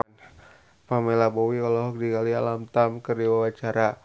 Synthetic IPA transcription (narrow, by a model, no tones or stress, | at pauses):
n | pamɛlabowikalɔɦɔk̚diɡalialamt̪amkərdiwawat͡ʃaɾa